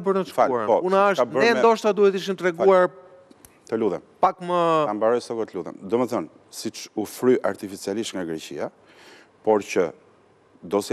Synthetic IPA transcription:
bəɾnəʃfauaɾpɔunaʃabəɛnd̪ɔʃt̪ad̪uhɛt̪iʃ̬imt̪ɾɛɡuaɾ | t̪əluðɛ̰npakməambaɾɔjsɔkɔt̪əluðɛ̰nd̪umɛθɔn | sit͡ʃufɾyʔaɾt̪ifit͡sialiʃt̪ŋɡaɡɾɛcḭa | pɔɾcə | d̪ɔs

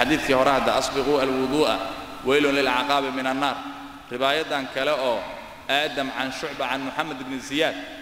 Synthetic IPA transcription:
ħɑðiːθkʰiːhɔɾɛhɐd̪ɐʔɑsˤbɪquːɐlwʊðˤuːʔɐ̰ | wɛjlʊnlɪlʕɑqɑːβɪmɪnɐnːaːr | rɪβaːjɐðaːŋkʰɐlɛɔː | ʔaːd̪ɐmʕanʃʊʕbɐʕanmʊħamɐd̪ɪbnɪzɪjaːd̪̚

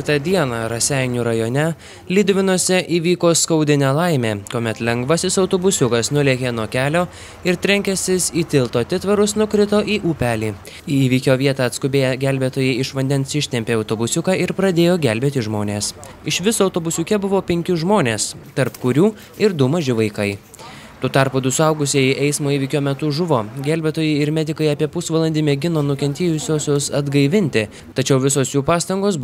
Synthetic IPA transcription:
kʲɪt̪ɐd̪ʲiɛnɑɾɐsʲɛˑjnʲuːɾɐjoːnʲɛ | lʲɪd̪ʲʋʲɪnoːsʲɛʔiːʋʲiːkoːskɐʊd̪ʲɪnʲɛːlˠɐɪmʲeːkoːmʲɛt̪lʲɛŋɡʋɐsʲɪsɐʊt̪oːbʊsʲʊkɐsnʊlʲeːkʲeːnuɔkʲæːlʲoː | ɪɾt̪ʲɾʲɛŋʲkʲɛsʲɪsiːt̪ʲɪlˠt̪oːt̪ʲɪt̪ʋɐɾʊsnʊkɾʲɪt̪oːʔiːʔuːpʲæːlʲiː | iːiːʋʲiːkʲoːʋʲiɛt̪ɑːɐt̪skʊbʲeːjɛɡʲæˑlʲbʲeːt̪oːjɛɪɪʃʋɐnʲd̪ʲɛnsɪʃʲt̪ʲɛmʲpʲeːɒʊt̪oːbʊsʲʊkɑːɪɾpɾɐd̪ʲeːjoːɡʲælʲbʲeːt̪ʲɪʒmoːnʲeːs | ɪʃʋʲɪsʊɐʊt̪oːbʊsʲʊkʲɛbʊʋoːpʲɛŋʲkʲʊʒmoːnʲeːst̪ɐɾpkʊɾʲuː | ɪɾd̪ʊmɐʒʲɪʋɐɪkɐɪ | t̪oːt̪ɑˑɾpuːd̪ʊsʊɐʊɡʊsʲejɪʔɛɪsmoːiːʋʲiːkʲoːmʲɛt̪ʊʒʊʋoːɡʲælʲbʲet̪oːjɛɪɪɾmʲɛd̪ʲɪkɐɪɑːpʲiɛpʊsʋɐlˠɐnʲd̪ʲɪmʲɛɡʲɪnoːnʊkʲɛnʲt̪ʲeːjʊsʲoːsʲoːsɐd̪ɡɐɪʋʲɪnʲt̪ʲɪ | t̪ɐt͡ʃʲɛʊʋʲɪsoːsjuːpɑːst̪ɐŋɡoːs

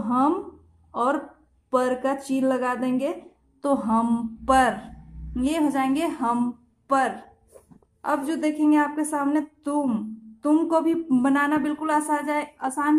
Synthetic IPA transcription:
toɦəm | ɔːɾ | pəɾkat͡ʃiːnləɡad̪ẽːŋ̆ɡe | t̪oɦəmpəɾjeɦod͡ʒaːẽŋɡeɦəm | pəɾ | ə̰bd͡ʒod̪eːkʰẽːŋɡeaːp̚kesaːmnet̪ʊmt̪ʊmkobʱibənaːnabɪlkʊlasaaaːsaːn

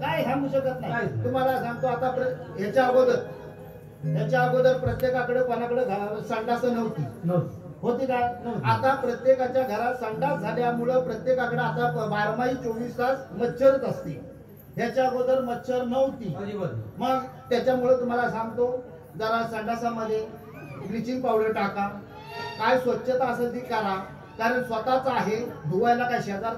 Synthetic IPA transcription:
kajɦanuɕəkət̪naaɦit̪um̤alasãŋɡt̪oat̪apɾəɦet͡ɕjabod̪əɾ | ɦat͡ɕaɡod̪əɾpɾət̪jekakəɽekənakəɽed͡zʱasaŋɖasəːnəʋt̪iːnəwt̪ | ɦot̪iːkanəw̪at̪apɾət̪jekat͡ɕjaɡʱəɾat̪səŋɖat̪d͡zʱaljamuɭəpɾət̪jekakəɽeat̪abaɾmaɦiːt͡soʋiːskat͡smət̪ːɕəɾət̪əst̪ḭː | ɦjat͡ɕjaɡod̪əɾmət̪ːɕʰəɾnəʋt̪iːibəɾməɡt̪jat͡ɕjamuɭət̪um̤alasãŋɡt̪o | d͡zaɾasəɳɖasaməd̪ʱːje | bɾit͡ɕiŋɡ̚pawɽəɾʈaka | kajsʋətːɕət̪aəsəd̪iːkəɾa | kaɾəɳsʋət̪at͡saɦed̪ʱuʋajlakajɕəd̪aɾ

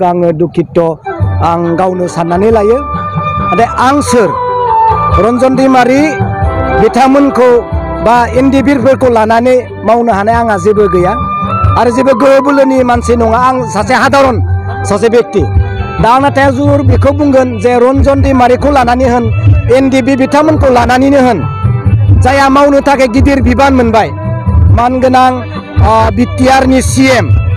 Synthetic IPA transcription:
kɯaŋɯdukʰːitːɔaŋɡawnɯsanːanilajɯ | adeʔaŋsɯɾ | ɾɔnzɔndimaɾi | bitʰamɯnkʰɯw | baendibiɾpʰɯɾkʰɔlanani | mawnɯhanajaŋazibɯɡɯjaaɾɯzibɯɡɯɯbɯlɯnimansinɔŋaːŋsaseɦadaɾɔn | sɔzebek̚tidaːŋnatajazuɾbikʰɯbuŋɡɯnzeɾɔnzɔndimaɾekʰɔlananihɯnendibibitʰamɯnkʰɔlananinɯɦɯn | zajamawnɯtʰakeɡidiɾbibanmɯnbaj | manɡɯnaŋ | bitijaɾnisiem

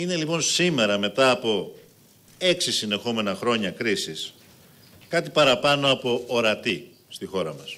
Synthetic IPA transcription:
ine̞lipo̞nsime̞ɾɐme̞t̪ɐːpo̞ | e̞ksisine̞xo̞me̞nɐxɾo̞ɲɐkɾisis | kɐt̪ipɐɾɐpɐno̞ɐpo̞ːɾɐt̪i | st̪ixo̞ɾɐmɐs

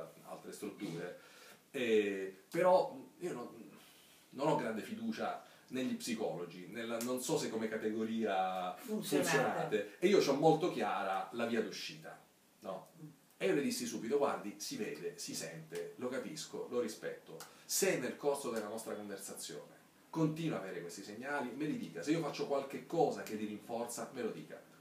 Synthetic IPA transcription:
a̰lt̪ɾest̪ɾut̪ːuːɾe | ɛpeɾɔiːonon | nonɔɡːɾand̪efid̪uːt͡ʃa̰ | neʎːipsikɔ̰lod͡ʒinelːanonsɔsekːomekːat̪eɡoɾiːasfunt̪sjonat̪eeiːot͡ʃɔmːolt̪ok̟jaːɾalaviːad̪uʃːiːt̪a̰ | nɔ | ejoled̪isːisuːbit̪okwa̰nd̪isiveːd̪esisɛ̰nt̪elokapisko̰loɾispɛ̰t̪ːosenːelkorsod̪elːanɔst̪ɾakoɱversat̪sːjo̰ːne | kont̪iːnwoaveːɾekwest̪iseɲːaːlimelid̪iːkaseiofat͡ʃːokwalk̟ekːɔːzakelːiɾiɱfɔrt̪samelod̪ḭːka̰

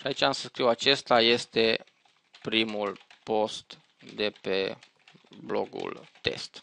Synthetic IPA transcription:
ʃiait͡ʃamsəskɾiwat͡ʃe̞st̪aje̞st̪e̞ | pɾimulpo̞st̪ | d̪e̞pe̞̰ | blo̰ɡṵlt̪e̞̰st̪

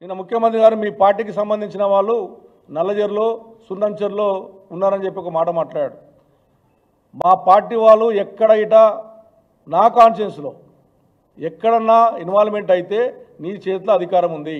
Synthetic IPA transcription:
ninːɐmukʰjɐmɐnt̪̬ɾiɡaːɾumiːpaːɾʈːiːkisɐmbɐnd̪iɲt͡ʃinɐʋaːɭːu | nɐlɐd͡ʒɐɾlo̞ː | sunɖɐɲt͡ʃɐɾlo̞ː | unːaːɾɐnd͡ʒe̞pːiɔkɐmaːʈɐmaːʈlaːɾjaːɽu | maːpaːɾʈːiʋaːɭːuɛkːɐɽɐjiʈaː | naːkaːnsenslo̞̰ː | ɛkːɐɽɐnːaːinʋaːlme̞ɳʈɐjit̪e̞ːniːt͡ʃeːt̪lɐɐd̪ʱikaːɾɐmund̪i

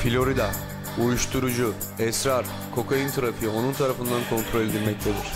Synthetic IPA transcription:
filʲo̞ɾid̪a | ujuʃt̪ʰuɾud͡ʒu | ɛsɾaɾ | kʰo̞kʰajɯnt̪ʰaɾapɯjo̞nunt̪ʰaɾafɯnd̪ankʰo̞nt̪ʰɾo̞lʲed̪ilʲmɛc̚t̪ʰe̞d̪iɾ̥

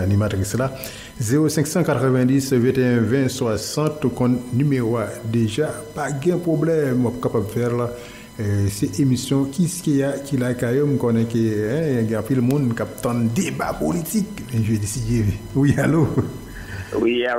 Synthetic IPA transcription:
animat̪ʁisla | zeʁosɛ̃ksɑ̃kat̪ʁəvɛ̃d̪isvɛ̃t̪eɛ̃vɛ̃swasɑ̃t̪kɔ̃tnymeʁoad̪eʒapaɡɛ̃pʁoblɛmwapkapabfɛl | sɛʔemisjɔ̃kiskejakilakajomkonɛ̃keɛ̃jɛ̃ɡɛ̃ɑ̃pilmũnkap̚t̪ɑ̃d̪d̪eba̰polit̪ikmɛ̃ʒɛd̪esid̪ewialo | wia

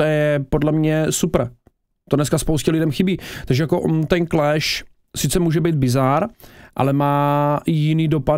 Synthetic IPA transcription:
ɛjɛpodlɛmɲɛsupr | t̪odnɛskaspowscɛlɪdɛmxɪbiːt̪aɡʒɛjakoʔnt̪ɛnklɛʃ | sɪt͡sɛmuːʒɛbijd̪̚bɪzaɾʔa̰lɛmaːjɪniːdo̞pa

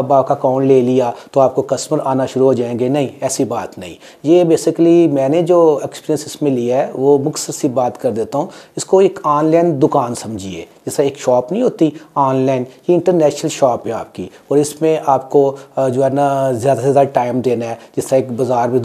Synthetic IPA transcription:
ɐbaːp̚kakaːɳleːlijaːt̪oaːp̚kokɐsməɾaːnaʃʊɾuɦoːd͡ʒaːẽɡenɐɦĩɛːsibaːt̪nɐɦḭ̃ː | jeːbeːsɪklimɛ̃ːned͡ʒoːɛkspiːɾijə̃nsɪsmẽliaɦɛʋomʊksəɾsibaːt̪kɐɾd̪eːt̪aɦũːɪskoɪkʰaːnlaːnd̪ʊkaːnsɐ̃md͡ʒʱiḛːd͡ʒɪsaeːkʃɔːpnəɦĩɦoːt̪iaːnlaːɪnjeɪ̃ɳʈəɾnɛːʃnəlʃɔːpɦɛaːp̚kiɔːɾɪsmẽʔaːpkod͡ʒoːɦɛːnazjaːd̪azjaːd̪aʈaːɪmd̪eːnaɦɛːd͡ʒɪsaeːkbɐzaːɾmẽ

